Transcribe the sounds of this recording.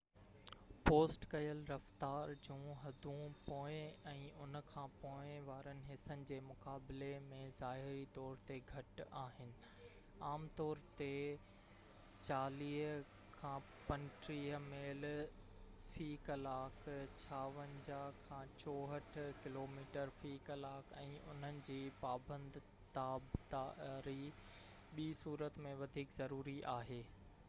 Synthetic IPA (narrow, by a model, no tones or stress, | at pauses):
poːsʈkɐjəlɾɐft̪aːɾd͡ʑũːɦɐd̪ʱũpoːɪ̃ɛ̃ːʊnkʰãːpoːɪ̃ʋaːɾənɪ̆ɦɪsənɪ̆d͡ʑeːmʊkaːblemẽzaːɦɪɾit̪ɔːɾt̪eɡʱɐʈaːɦɪnɪ̆ | aːmt̪ɔːɾt̪e | t͡ɕaːliːɦ | kʰãː | pɐ̃nʈɾiːɦmeːl | fiːkɐlaːkʰt͡ɕʰaːʋə̃nd͡ʑaːkʰːãːt͡ɕɔːɦəʈʰkɪloːmiːʈəɾfiːkɐlaːkʰɛ̃ːʔʊ̰n̤ənɪ̆d͡ʑiːpaːbə̃nd̪ʱ | t̪aːbt̪aɾi | ɓiːsuːɾət̪mẽʋɐd̪ʱiːkzɐɾuːɾiʔaːɦeː